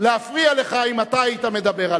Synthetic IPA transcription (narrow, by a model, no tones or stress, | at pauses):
leafʁiale̞χaimat̪aait̪ame̞d̪abe̞ʁal